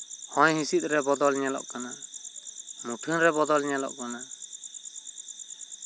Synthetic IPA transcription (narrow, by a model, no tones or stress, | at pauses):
hɔ̃jhĩsit̪̚ˀɾɛbɔd̪ɔlɲɛlɔ̰ʔkana | muʈʰinɾɛbɔd̪ɔlɲɛlɔ̰ʔkana